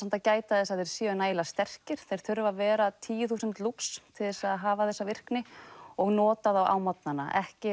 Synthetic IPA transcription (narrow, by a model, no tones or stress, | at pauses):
ɛnt̪acaːjt̪aðɛsaðɛɾ̥sjœnaːjlast̪ɛr̥cɪɾ̥θejɾ̥θʏɾvavɛːɾat̪ʰiːjʏθuːsɪnt̪lupst̪ʰɪlðɛsaðɦaːvaθɛsːavɪr̥knɪɔɣnɔːt̪aðawʔa̰ːwmat̪̚nanːa̰ʔɛhcɪ